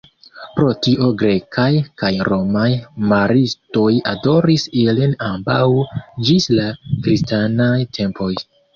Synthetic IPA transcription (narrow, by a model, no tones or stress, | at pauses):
pɾo̞tiʔo̞ɡɾe̞kʰajkajɾo̞majmaɾisto̞jado̞ɾisilinambawd͡ʒislakɾistanajtʰe̞mpʰo̞j